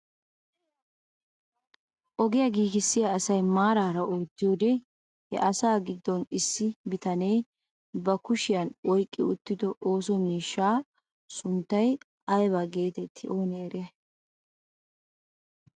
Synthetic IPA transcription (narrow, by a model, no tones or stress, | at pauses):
ʔɔɡɪjɐɡiːɡɪsːɪjaːsɐjmaːɾaːɾɐʔoːt̪ːɪjoːd̪ɛ | hɛ̰ʔɐsaːɡɪd̪ːɔnɪsːɪbɪt̪ɐne̞ː | bɐkʊʃɪjɐnɔjkʼːɪʊt̪ːɪd̪ɔʔoːs̬ɔmiːʃːaː | sʊnt̪ːɐj | ɐjβaɡe̞ːt̪ɛt̪ʰːɪʔo̞ːnɛɛɾe